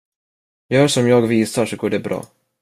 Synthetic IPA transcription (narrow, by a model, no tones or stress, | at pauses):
jœːʂɔmjɑːɡviːsaʂɔɡoːɖɛbɾɑ̰ː